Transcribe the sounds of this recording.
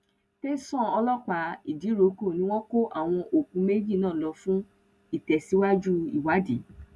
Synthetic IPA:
te˦sɔ̃˦˨ɔ˧lɔ˦k͡pa˨˦i˨di˨˦ɾo˨˦ko˦˨nĩ˧˦w̃ɔ̃˦ko˦ʔa˦˨w̃ɔ̃˧ʔo˨kũ˨˧˦me˦d͡ʒi˦˨nãː˦˨lɔ˧fũ˦ | i˦˨tɛ˨si˨˦wa˦d͡ʒu˦i˦˨wa˨˦di˨˦

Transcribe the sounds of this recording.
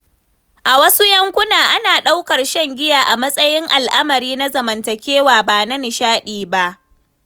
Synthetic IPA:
ʔa˨wɐ˦su˦jɐ˦ŋkʷʊ˦naː˨ʔa˦naː˨ɗa˦wkɐ˨rʃɛ˦˨ŋɡʲɪ˦jaː˨ʔa˨mɐ˦sʼɐ˦jɪ˦ŋʔa˨lʔa˦mɐ˨ɾiː˦na˦zɐ˨mɐ˨ntɐ˨kʲeː˦waː˨baː˨nɐ˦ni˨ʃaː˦ɗiː˨ba˦ʔ

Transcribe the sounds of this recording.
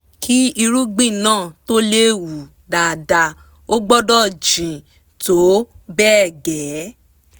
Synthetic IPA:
kʰi˦i˧ɾu˦ɡ͡bĩ˦˨nãː˦˨to˦le˦wu˨ | da˨da˧ | o˦ɡ͡bɔ˦dɔ˦˨d͡ʒĩ˨ | to˨˦bɛː˦˨ɡɛ˨˦

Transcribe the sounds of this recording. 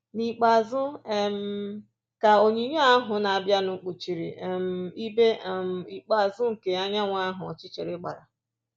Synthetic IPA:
ni˨k͡pa˨zʊ˦e˨m̩˨˦ | ka˨o˨ɲi˨˦ɲ˦a˦ɦʊ˨na˨a˨bja˦nʊ˨˦k͡pu˨t͡ʃi˨ɾi˨m̩˨˦˨i˦be˦˨m̩˨i˨k͡pa˨zʊ˦ŋ̩˨ke˨a˦ɲa˦ŋʷa˦ɦʊ˨ɔ̰˨t͡ʃɪ˦t͡ʃe˨ɾɪ˦ɡ͡ba˨ɾa̰˨

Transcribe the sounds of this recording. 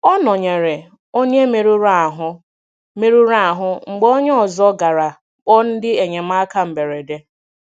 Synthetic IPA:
ɔ˦nɔ˨ɲe˨ɾe˨ | o˦ɲe˦me˨ɾu˦ɾa˦˨ɦʊ˦ | me˦ɾu˦ɾa˦a˨ɦʊ˦ŋ͡m̩˨ɡ͡bo˦ɲe˦ɔ˨zɔ˦ɡa˨ɾa˨ | k͡pɔ˦n̩˦dɪ˦e˨ɲe˨m̩˦a˦ka˦m̩˨be˨ɾe˨de˦

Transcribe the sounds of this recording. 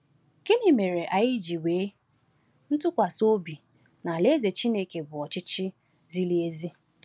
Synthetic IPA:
ke˦ni˨me˨ɾe˨ʔa˨ji˦d͡ʒi˨weː˨˦ | n̩˦tʊ˦kʷa˨so˦bi˨ | na˨le˦ze˨t͡ʃi˦ne˦˨ke˨bʊ˨ɔ˨t͡ʃɪ˦t͡ʃɪ˦ | zi˦li˦e˦zi˦

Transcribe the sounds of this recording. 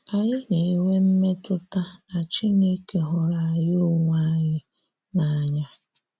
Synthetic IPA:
a˨ɲɪ˦ɲe˨i˦we˦m̩˦me˦tʊ˦ta˦a˨t͡ʃi˦ne˦ke˨ɦɔ˨ɾa˨jɪ˦ʊ˦ŋʷa˦ɲɪ˦ | na˨a˨ɲa˦

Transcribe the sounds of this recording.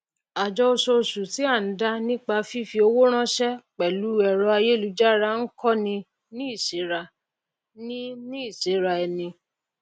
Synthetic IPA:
a˨d͡ʒɔ˧o˧so˧su˨ti˦a˦˨n̩˨˦da˦nĩ˦k͡pa˧fi˦fi˧o˧wo˦ɾ̃ã˦ʃɛ˦k͡pɛ˨lu˨˦ɛ˨ɾɔ˧˦a˧je˦lu˨˧˦d͡ʒa˦ɾa˦ŋ̩˦kɔ˦nĩ˧ | nĩ˦i˦˨ʃe˨˦ɾa˧ | nĩ˦nĩ˦i˦˨ʃe˨˦ɾa˧ɛ˧˨nĩ˧

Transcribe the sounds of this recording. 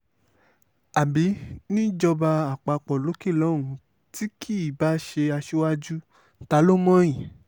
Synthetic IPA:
a˨bi˨˦nĩ˦d͡ʒɔ˧ba˧a˨k͡pa˧k͡pɔ˨lo˨˦ke˦˨lɔ˨˦˨ũ˨˧ | ti˦kʰi˦˨ba˦ʃe˧a˧ʃu˦wa˦d͡ʒu˦ | ta˨˦lo˦mã˦ĩ˨

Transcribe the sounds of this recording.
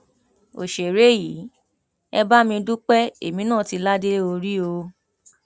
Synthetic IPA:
o̰˨ʃe˨ɾe˦ji˨˦ | ɛ˧ba˦mĩ˧du˦k͡pɛ˦e˨mĩ˨˦nãː˦˨ti˧la˦de˦o˧ɾi˦o˧

